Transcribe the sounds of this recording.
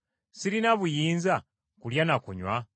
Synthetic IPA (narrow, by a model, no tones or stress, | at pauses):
siɾinaβujiːnza | kuljanakṵɲwa